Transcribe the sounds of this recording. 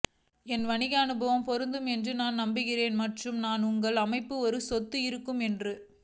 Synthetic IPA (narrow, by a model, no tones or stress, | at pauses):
ɛnʋɐɳɪɣɐɐnɯbɐʋɐmpɔɾɯnd̪ɯmɛndrɯnaːnnɐmbɪɣɪɾeːnmɐʈrɯmnaːnʊŋɡɐɭɐmɐɪpːɯɔɾɯsɔt̪ːɯɪɾɯkːɯmɛndrɯ